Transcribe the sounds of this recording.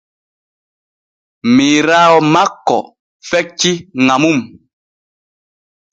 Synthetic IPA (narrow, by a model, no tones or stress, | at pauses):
miɾaɔmakːɔ̰ | fɛk̚t͡ʃiŋamum